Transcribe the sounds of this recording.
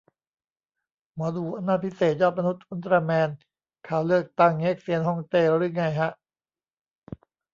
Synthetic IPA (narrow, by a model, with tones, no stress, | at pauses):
mɔː˩˦d̪u˨˩ʔa˧naː˧˥˩pʰi˦˥seː˨˩t̪̚jɔː˥˩t̪̚ma˧nu˦˥t̪̚ʔu˧˦nt̪ɾaː˧mɛː˧n | kʰaː˧˩wlɯ˥˩ək̚t̪a˥˩ŋːe˦˥k̚si˧ənɦɔ˥˩ŋt̪eː˧˩ɾɾɯ˧˥˩ŋa˧˩jɦa˦˥ʔ